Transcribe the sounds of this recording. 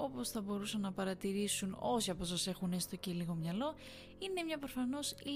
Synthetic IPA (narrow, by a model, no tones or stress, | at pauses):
o̞po̞sθɐbo̞ɾusɐnːɐpɐɾɐt̪iɾisuno̞siɐposɐse̞xunest̪o̞celiɣo̞mɲɐlo̞ | ine̞mɲɐpɾo̞fɐno̞s